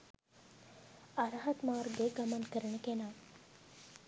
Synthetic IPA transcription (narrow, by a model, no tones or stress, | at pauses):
aɾɐɦɐt̪maːrɡeɡamankəɾəɳəkenaː